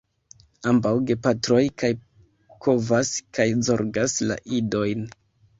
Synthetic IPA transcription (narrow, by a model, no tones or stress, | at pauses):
ambawɡe̞patɾo̞jkaj | kʰo̞vaskajzo̞ɾɡasla̰ʔido̞jn